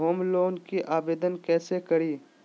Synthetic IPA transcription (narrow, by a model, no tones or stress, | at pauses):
ɦoːmloːnkiʔaːbeːd̪ənkɛːsekɐɾiː